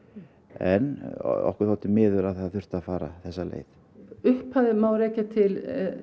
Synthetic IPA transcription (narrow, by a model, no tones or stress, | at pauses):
ɛnɔ̰hkʏɾ̥θalt̪ɪmɪːðʏlaðθaðθʏr̥t̪afaːɾa̰θɛsːalḛːjθ | ʏhphaðɪmaːwɾeːjcat̪ʰɪl